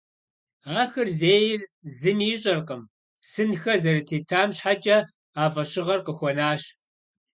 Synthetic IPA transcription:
aːxɐrzeːjɪrzɨmiːɕʼɐrqəm | sɨnxɐzɐrɨtʰeːtʰaːmɕħat͡ʃʼɐ | aːfʼɐɕɪʁɐrqəxʷɔnaːɕ

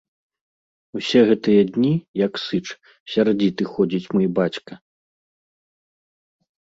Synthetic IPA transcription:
usʲɛɣɛt̪ɨjɐd̪ʲnʲijɐksɨt͡ʂ | sʲard͡zʲit̪ɨxɔd͡zʲit͡sʲmɨjbat͡sʲkɐ

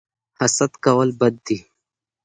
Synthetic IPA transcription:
hɐsɐt̪kɐwɐlbɐd̪̚ːi

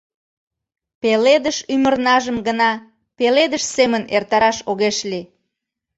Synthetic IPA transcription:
peled̪əʃymərnɑʒəmɡənɑ | peled̪əʃsemənert̪ɑɾɑʃoɣeʃli

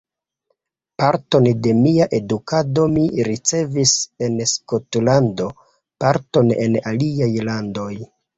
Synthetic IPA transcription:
paɾto̞nde̞miaʔe̞dukado̞miɾit͡se̞vise̞nskotlando̞ | paɾto̞ne̞̰naliajlando̞j

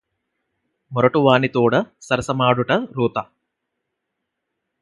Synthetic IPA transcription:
mɔɾɐʈuʋaːnit̪uːɽɐsɐɾɐsɐmaːɽuʈɐɾuːt̪ɐ

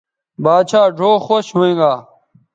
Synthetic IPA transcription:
baːd̪ɕaːɖʱoːxoːɕɦoẽːŋɡaː

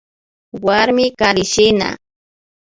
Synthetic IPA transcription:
waɾmɪkaɾɪʃɪna̰

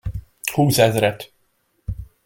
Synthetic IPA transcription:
huːsɛzɾɛt̪

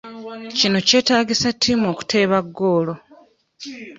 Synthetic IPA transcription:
cino̞ce̞ːtaːɟisatʰːimo̞ːku̥tʰe̞ːβaɡːo̞ːlo̞

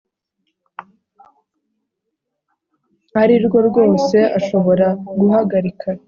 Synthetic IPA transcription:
aɾiɾɡo̞ɾɡo̞ːse̞ʔaʃo̞βo̞ɾaɡuɦaɡaɾikʰa

